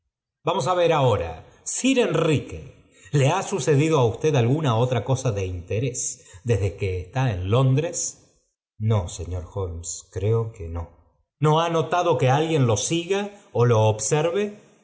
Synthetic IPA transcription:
bamo̞s̬aβe̞ɾao̞ɾa̰ | siɾe̞nrikḛ | le̞asuse̞ðiðo̞aust̪e̞ðalɣunao̞t̪ɾako̞saðe̞int̪eɾe̞sd̪ezðe̞keːst̪aenlo̞nd̪ɾes | noseɲo̞ɾxolmskɾeokeno | no̞ano̞t̪aðo̞kealɣje̞nlo̞siɣaolo̞ːβseɾβe

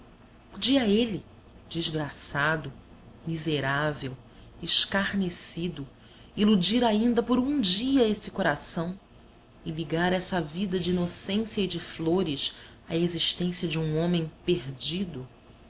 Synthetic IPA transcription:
pod͡ʒiɐelɪ | d͡ʒizɡɾasad̪ʊ | mizeɾavew | eʃkaɾnesid̪ʊ | ilud͡ʒiɾaĩnd̪ɐpoɾũd͡ʒiɐesɪkoɾasɐ̃w̃ | ɪliɡaɾɛsɐvid̪ɐd͡ʒɪinosẽsjɐid͡ʒɪfloɾɪs | ɐeziʃt̪ẽsiɐd͡ʒɪũõmẽj̃peɾd͡ʒid̪ʊ

